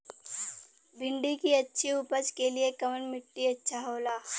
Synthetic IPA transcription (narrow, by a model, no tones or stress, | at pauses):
bʱɪ̃ɳɖikiɐtːʃʰiʊpət͡ʃkeliekɐmənmɪʈːiɐtːʃʰaɦoːlaː